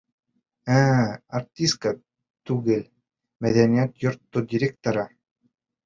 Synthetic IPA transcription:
æːɐrt̪ʲːiska | t̪ʉɡɘl | mæðænʲijæt̪jŏɾt̪ːodʲɪɾʲek̚t̪oɾɑ

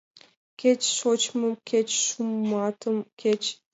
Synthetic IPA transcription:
kʲet͡ɕʃot͡ɕmɤkʰʲet͡ɕʃumːɑt̪ʰɤ̆mkʰʲet͡ɕ

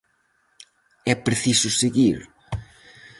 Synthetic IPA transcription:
ɛpɾeθisʊseɣiɾ

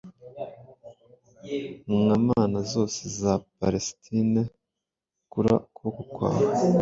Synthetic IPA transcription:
mŋamaːnazo̞ːsezapaɾestʰine | kuɾa̰kwokukwa̰ːɾa

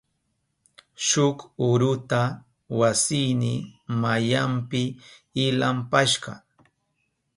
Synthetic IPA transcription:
ʃʊkʊɾʊt̪a | wasɪjnɪmajampɪːlampaʃɢɑ̰

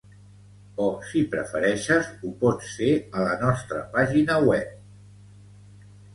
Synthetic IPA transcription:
ɔsipɾə̰fəɾɛʃəzupɔt͡sfeələnɔst̪ɾəpaʒinəwɛp̚

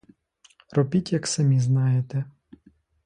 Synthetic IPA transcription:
ɾɔpʲitʲjɐksɐmʲiznɑjet̪ɛ

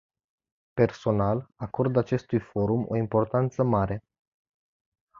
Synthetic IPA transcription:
pe̞rso̞nalako̞rd̪at͡ʃe̞st̪ujfo̞ɾumo̞̰impo̞rt̪ant̪səmaɾe̞

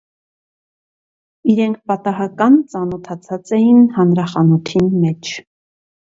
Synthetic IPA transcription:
iɾɛŋkʰpɑt̪ɑɦɑkɑnt͡sɑnɔt̪ʰɑt͡sʰɑt͡sɛjinhɑnɾɑχɑnut̪ʰinmɛt͡ʃʰ

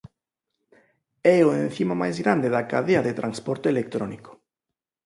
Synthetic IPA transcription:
ɛoen̟θimamajzɣɾand̪eðakaðeaðet̪ɾʔanspɔɾt̪eelek̚t̪ɾɔniko̥

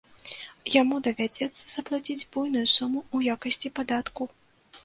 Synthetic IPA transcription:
jamud̪ɐvʲad͡zʲɛt̪sːɐz̥ɐplˠat͡sʲid͡zʲbujnujusumuːjakɐsʲt͡sʲipad̪at̪ku

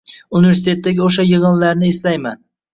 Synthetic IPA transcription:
unɪveɾs̬ɪt̪et̪ʰːaɡʲɪoʃ̬ajɨʁɨnlaɾnɪeslajma̰n

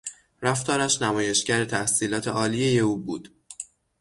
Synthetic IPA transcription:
ɾæft̪ɒːɾæʃnæmɒːje̞ʃcæɾet̪ʰæhsiːlɒːt̪ʰe̞ʔɒːlijejeuːbṵːd̪̥

